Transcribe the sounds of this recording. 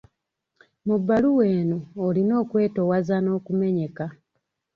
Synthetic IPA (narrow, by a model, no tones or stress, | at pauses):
mubːaluwe̞ːnoːlino̞ːkwe̞ːto̞wazano̞ːkume̞ɲe̞ka